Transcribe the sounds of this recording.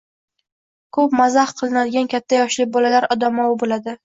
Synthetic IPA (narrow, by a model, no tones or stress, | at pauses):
kʰɵpmazahqʰɨlˠɪnad̪ɪɡʲankʲʰat̪ʰːajɒʃlɪbɒlalaɾɒd̪amɒwɪbolad̪ɪ